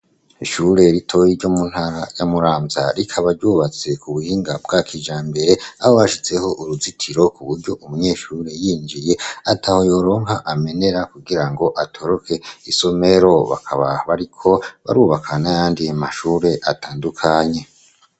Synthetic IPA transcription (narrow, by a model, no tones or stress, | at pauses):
iʃuɾe̞ɾitʰo̞jiɾɟo̞mun̥haɾajamuɾaːmza̰ɾikʰaβaɾɟuːβat͡se̞kuβuhiːŋɡabɡakʰid͡ʒaːmbe̞ɾe̞aho̞aʃit͡se̞ho̞ʔuɾuzitʰiɾo̞kuβuɾɟo̞ʔumuɲe̞ːʃuɾe̞jiːnd͡ʒije̞atʰaho̞jo̞ɾo̞ːŋɦaʔame̞ne̞ɾakuɡiɾaŋɡo̞ʔatʰo̞ɾo̞kʰe̞iso̞me̞ɾo̞βa̰kʰa̰βa̰βaɾikʰo̞βa̰ɾuːβakʰanajaːndiamaʃuːɾe̞ʔataːndukʰaɲe̞